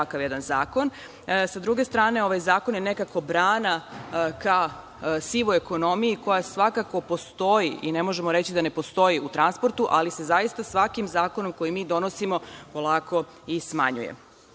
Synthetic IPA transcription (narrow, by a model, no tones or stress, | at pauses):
akaʋjed̪anzaːko̞n | sad̪ɾuɡe̞st̪ɾaːne̞o̞ʋajzaːko̞njene̞kako̞bɾaːnakao | siʋoeko̞no̞mijiko̞jasʋakako̞po̞st̪o̞jiʔine̞mo̞ʒe̞moɾet͡ɕid̪ane̞po̞st̪o̞jiut̪ɾanspo̞ɾt̪uʔalisezajist̪asʋakimzaːko̞no̞mko̞jimiːd̪o̞nosimo̞po̞lˠaːko̞ | ismaɲṵjḛ